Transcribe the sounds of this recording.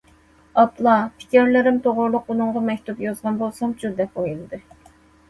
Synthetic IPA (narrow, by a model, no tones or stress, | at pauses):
ɑplˠɑpʰi̥kʲiɾlɪɾɪmt̪ʰoʁʊɾlˠʊqunɨŋʁɑmɛkʲt̪upjɑzʁɑnbolˠsɑmt͡ʃʰud̪ɛpojulˠɨd̪ɨ